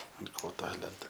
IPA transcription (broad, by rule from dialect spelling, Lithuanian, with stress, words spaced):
ɐnt ˈkoːtoː ˈlʲɛntɐ